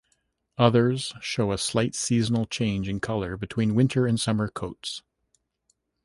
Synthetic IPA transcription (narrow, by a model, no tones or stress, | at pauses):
ʌðə˞z̥ʃoʊəslaɪtsizn̩l̩ˠt͡ʃʰẽɪ̃nd͡ʒɨ̃nkʰʌlˠə˞bɨtʰw̥ĩnwɪ̃ntʰə˞ɨ̃nsʌmə˞kʰoʊts